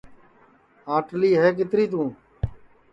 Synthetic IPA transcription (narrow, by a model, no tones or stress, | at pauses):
aːʈliːɦɛːk̬ɪt̪ɾiːt̪̬ũː